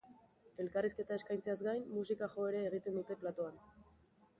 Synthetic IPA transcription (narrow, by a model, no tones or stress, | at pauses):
e̞lkariske̞t̪aeskajnt͡seazɡajnːusikaxo̞e̞ɾeːɣ̞it̪e̞nd̪ut̪e̞plat̪o̞an